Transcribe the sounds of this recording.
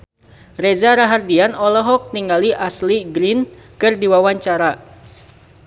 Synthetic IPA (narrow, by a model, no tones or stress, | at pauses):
rezaɾaɦardianɔlɔɦɔk̚niŋɡaliʔasliɡɾinkɨrdiwawaɲt͡ʃaɾa